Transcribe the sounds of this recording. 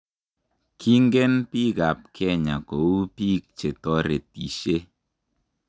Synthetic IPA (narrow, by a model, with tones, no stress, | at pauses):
kʰi˦ŋɡɛ˦npi˦ka˨p̚kʰɛ˦˨ɲa˨ko˨u˦pi˦k̚t͡ʃe˨tɔ˦ɾe˨ti˨ʃe˦